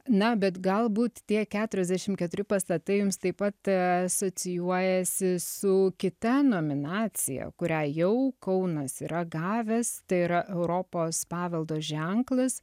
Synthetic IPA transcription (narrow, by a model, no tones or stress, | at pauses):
nɐbʲɛt̪ɡɐlˠbuːt̪t̪ʲiɛkʲæːt̪ʊɾʲɛzʲd̪ʲæʃʲɪmkʲɛt̪ʊɾʲɪpɐst̪ɐt̪ɐɪjʊmst̪ɐɪpɐt̪ɐsoːt͡ssʲɪjuɔjɛsʲɪsʊkʲɪt̪ɐnoːmʲɪnɑːt͡sʲɪ̰jɛ̰kʊɾʲæːjɛʊkɐʊnɐsiːɾɐɡɑːʋʲɛst̪ɐɪiːɾɐʔɛʊɾoːpoːspɑːʋʲɛlˠd̪oːʒʲɛŋklˠɐs